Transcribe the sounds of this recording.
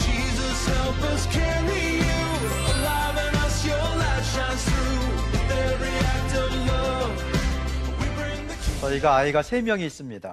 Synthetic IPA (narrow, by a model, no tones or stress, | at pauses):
d͡ʒizʌsɛlˠfɪz̥kʰɛɹ | ɪ | jʉ | əla | vɪ̃ŋʌsjəlæʃãsɹu | ðəɹiæk̚tʌvlʌv | wibɹɪ̃ŋðɨt͡ɕʌiɡaːiɡasʰe̞mjʌŋiːs͈ɯmɲida